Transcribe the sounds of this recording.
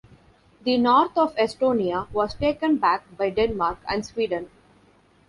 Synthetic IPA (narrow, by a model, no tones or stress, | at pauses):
d̪inɔːɾt̪ʰɔːʋesʈoːniaʋɔːzʈeːkə̃nbæk̚baɪɖẽnmaːɾkæ̰̃ɳɖsʋiːɖə̃n